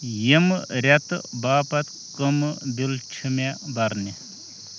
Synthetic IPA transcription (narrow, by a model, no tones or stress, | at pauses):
jimɾʲɐt̪ɨbaːpɐt̪ | kəmɨbilt͡ʃʰimebɐɾni